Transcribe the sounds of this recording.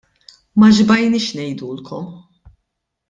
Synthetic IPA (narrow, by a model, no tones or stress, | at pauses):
mɐʒbɐjniːʃnɛjd̪uːlkʰɔm